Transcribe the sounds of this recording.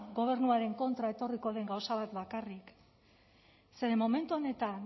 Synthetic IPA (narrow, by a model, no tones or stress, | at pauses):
ɡo̞β̞e̞ɾnuaɾe̞ŋko̞nt̪ɾae̞t̪o̞riko̞ðe̞ŋɡawsaβ̞at̪bakarik | se̞ɾe̞mo̞me̞nt̪uo̞ne̞t̪an